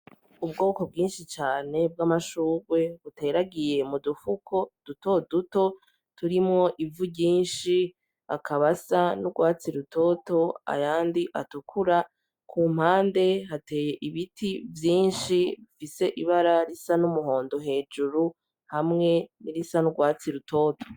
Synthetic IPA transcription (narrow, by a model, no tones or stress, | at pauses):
ubɡo̞ːko̞bɡiːnʃit͡ʃaːne̞b̚ɡamaʃuːɾwe̞βute̞ɾaɡije̞mudufukʰo̞d̥uto̞duto̞ | tuɾimŋo̞ʔivuɟiːnʃi | a̰kʰaβasanuɡwaːt͡siɾuto̞to̞a̰jaːndiʔatukʰuɾa | kʰuːm̥haːnde̞ɦate̞ːje̞ʔiβitʰivjiːnʃiβifise̞ʔiβaɾaɾisanumuɦo̞ːndo̞ɦe̞ːd͡ʒuɾu | hamŋe̞niɾisanuɡwaːt͡siɾuto̞ːto̥